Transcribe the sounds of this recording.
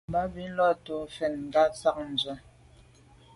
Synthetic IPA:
ba˦bi˨˦n̩˦lɔ˦˨to˨fɛ˨nŋ̩˨ɡa˦t͡sa˦˨k̚n̩˨zwa˨

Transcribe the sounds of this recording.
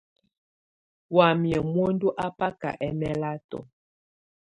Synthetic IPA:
wa˨mjɛ˨mwo˦ndu˦ʔa˦pa˦ka̰˨ʔɛ˦mɛ˦la˦tɔ̰˨

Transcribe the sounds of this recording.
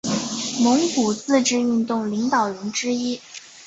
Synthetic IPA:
mʊ˧˥ŋku˨˩t͡sɹ̩˥˧ʈ͡ʂɻ̩˥˧y˥˧nt̪ʊ˥˩ŋli˧˥ŋt̪ɑ˨˩ʊɻə˧˥nʈ͡ʂɻ̩˥i˥

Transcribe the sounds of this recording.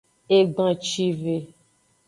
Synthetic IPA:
e˦ɡ͡bã˨t͡ʃi˦ve˨

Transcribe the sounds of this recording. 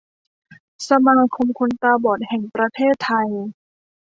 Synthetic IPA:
sa˧maː˧kʰo˧mkʰo˧nt̪aː˧bɔː˨˩t̪̚hɛ˨˩ŋpɾa˧t̪ʰeː˥˩t̪ʰːa˧j

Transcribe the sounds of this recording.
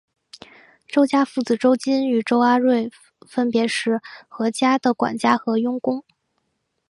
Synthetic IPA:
ʈ͡ʂo˥ʊt͡ɕja˥fu˥˩t͡sɹ̩˨˩ʈ͡ʂo˥ʊt͡ɕi˥ny˨˩ʈ͡ʂo˥ʊa˥ɻwe˥˩ɪ | fə˥npjɛ˧˥ʂɻ̩˥˩xɤ˧˥t͡ɕja˥d̪ə˨kwa̰˨˩nt͡ɕja˥xɤ˧˥jʊ˥ŋkʊ˥ŋ

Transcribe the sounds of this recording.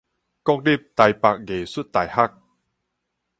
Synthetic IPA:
kɔ˥˨k̚di˥˨p̚t̪a˨jpa˨k̚ɡeː˨˩su˦˥t̪ːa˨˩jha˦˥k̚

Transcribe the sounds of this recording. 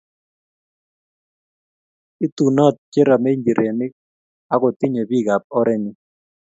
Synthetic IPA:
i˦t̪u˨nɔ˦˨t̪̚t͡ʃe˦ɾa˨me˦ŋɡi˨ɾʔe˨nɪ˦ | a˦ko˨t̪ɪ˦ɲe˨bi˦˨ɡa˨p̚ɔ˦ɾɛ˦nɪ˦

